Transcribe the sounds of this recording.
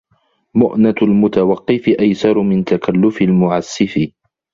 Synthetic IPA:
mʊʔnalmʊt̪awɑqːɪfɪʔajsɑɾˤmɪnt̪akalːʊfɪlmʊʕasːɪfɪ

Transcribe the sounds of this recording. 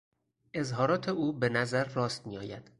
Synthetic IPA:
ʔe̞zɦɒːɾɒːt̪ʰeuːbe̞næzæɾːɒːst̪mijɒːjæd̪̥

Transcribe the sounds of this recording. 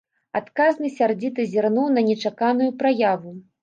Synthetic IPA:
a̰t̪kaznɨsʲard͡zʲit̪ɨzʲɛrnuwnɐnʲɛt͡ʂakanujupɾajavu

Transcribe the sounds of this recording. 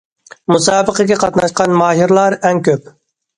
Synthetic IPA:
musɑːbəqəɡʲɛqʰɑt̪nɑʃqɑnmɑːɦiɾlˠɑɾɛŋkʲøp̚

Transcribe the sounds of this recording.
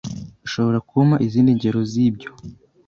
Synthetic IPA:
iʃo̞βo̞ɾakumaʔiziːndiɲɟe̞ɾo̞zibɟo̞

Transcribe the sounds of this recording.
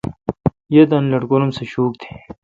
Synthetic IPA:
jed̪ɐnlɐɽkolomseɕuːk̚t̪ʰe̥ː

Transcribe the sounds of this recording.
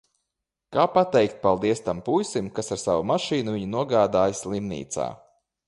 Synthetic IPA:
kaːpat̪ɛjkt̪̚palˠd̪iɛst̪ampujsimkasaɾsavumaʃiːnuviɲunuɔɡaːd̪aːjslˠimnḭːt̪sa̰ː

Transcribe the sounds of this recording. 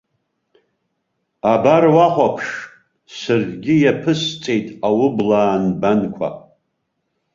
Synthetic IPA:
abarwaχʷapʰʂ | sɨrdɡʲɪjapʰɨst͡sʼe̞jtʼawʊblaːnbankʷʰa̰

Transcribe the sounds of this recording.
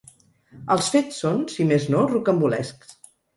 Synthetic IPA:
əlˠsfet͡sːonsimeznorukəmbulɛ̰sks

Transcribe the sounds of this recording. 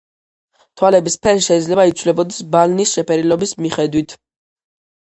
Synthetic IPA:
t̪ʰwalɛbispʰɛɾiʃɛid̪zlɛbait̪sʰvlɛbɔd̪ɛsbalnisʃɛpʰɛɾilɔbismiχɛd̪wit̪ʰ

